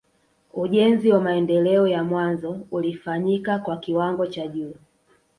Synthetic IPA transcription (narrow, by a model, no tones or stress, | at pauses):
uʄɛnziwamaɛndɛlɛɔjamwanzɔulifaɲikakwakiwaŋɡɔt͡ʃaʄuː